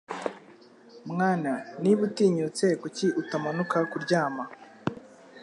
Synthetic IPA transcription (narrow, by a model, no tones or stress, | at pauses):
mŋaːnaniβutiːɲut͡se̞kuciʔutamanukakuɾɟaːma